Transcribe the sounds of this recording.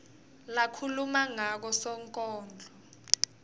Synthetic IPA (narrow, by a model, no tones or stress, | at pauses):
lakʰulumaŋak̬ɔsɔŋkʼɔːnd͡ɮʱɔ